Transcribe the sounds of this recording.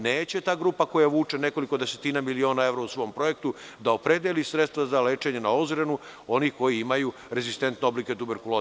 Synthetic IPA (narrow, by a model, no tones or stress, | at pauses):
neːt͡ɕe̞t̪aːɡɾuːpako̞jaʋuːt͡ʂe̞ne̞ko̞liko̞d̪ese̞t̪iːnamilio̞ːnae̞vɾausʋo̞ːmpɾo̞je̞kt̪u | d̪aopɾed̪jelisɾe̞t̪st̪ʋazale̞ːt͡ʃe̞ɲe̞nao̞zɾenu | o̞nihko̞jiimaju | ɾe̞zist̪e̞nt̪neo̞blike̞t̪ubeɾkulo